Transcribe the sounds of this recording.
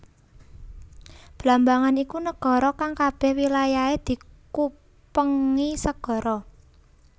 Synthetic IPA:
b̥lambaŋanikunəɡ̥ɔ̤ɾɔkaŋkab̥ɛhwilajaed̪̥i̤ku | pəŋisəɡ̥ɔ̤ɾɔ

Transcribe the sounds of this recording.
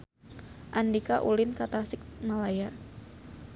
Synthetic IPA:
ʔandikaʔulɪnkat̪asɪk̚malaja

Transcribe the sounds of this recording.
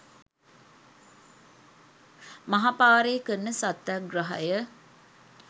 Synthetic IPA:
mɐɦapaːɾeːkənːəsat̪ːaɡrɐɦa̰jə

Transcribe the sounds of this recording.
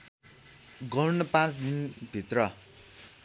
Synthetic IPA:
ɡʌnʌpãt͡sd̪inbʱit̪rʌ

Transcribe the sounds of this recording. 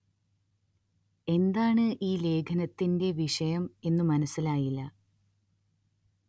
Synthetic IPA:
e̞nd̪aːɳɨʔiːle̞ːkʰɐnɐt̪ːinde̞ʋiʂɐjɐme̞nːɨmɐnɐsːilaːjilːɐ

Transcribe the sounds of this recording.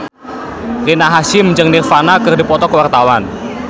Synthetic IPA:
rinaɦaʃɪmd͡ʒəŋnɪrfanakɨrdipɔt̪ɔkəwart̪awan

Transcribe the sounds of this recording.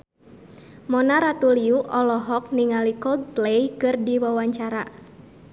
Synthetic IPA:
mɔnaɾat̪uliuʔɔlɔɦɔk̚niŋalikɔɡ̚plejkɨrdiwawaɲt͡ʃaɾa

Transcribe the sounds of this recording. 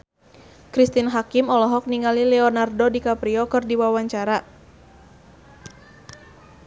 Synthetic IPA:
kɾist̪inɦakimɔlɔɦɔk̚niŋalilɛɔnardodikapɾiɔkɨrdiwawaɲt͡ʃaɾa

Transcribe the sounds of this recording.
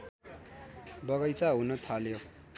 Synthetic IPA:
bʌɣʌjt͡saɦunʌt̪ʰaljo

